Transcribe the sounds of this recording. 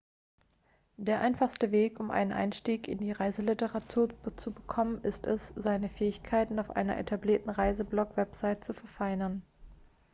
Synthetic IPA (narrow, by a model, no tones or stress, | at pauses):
d̥eːɐʔaɪnfaχstəveːkʊmʔa̰ɪnənʔa̰ɪnʃtiːkɪndiːʁaɪzəlɪtəʁatʰuːɐt͡subəkʰɔmənɪstɛsz̥aɪnəfɛːɪçkʰaɪtn̩aʊfʔa̰ɪnɐ̰ʔḛtʰabliːɐtn̩ʁaɪzəblɔkv̥ɛpz̥aɪtt͡sufɛɐfaɪnɐn